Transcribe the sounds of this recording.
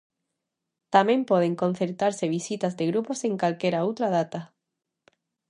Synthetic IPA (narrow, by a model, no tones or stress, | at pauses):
t̪amẽmpwoð̞eŋko̞n̟θeɾt̪aɾseβ̞isit̪azðeɣɾupo̞seŋkalkeɾaowt̪ɾað̞at̪a